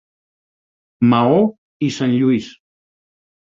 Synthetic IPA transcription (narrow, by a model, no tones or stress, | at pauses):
mao | isanʎuis